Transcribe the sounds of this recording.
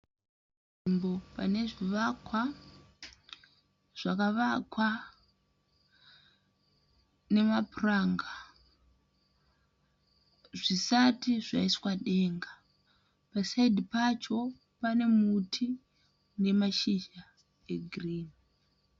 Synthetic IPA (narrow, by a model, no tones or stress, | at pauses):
imbo̞pane̞ʐiʋakwa | ʐ̥akaʋakwa | ne̞mapuraŋɡa | ʐisatiʐa̰iswaɗe̞ːŋɡa | pasaidipat͡ʃo̞ | pane̞mutʰi | ne̞maʃiʒa | e̞ɡʱriːni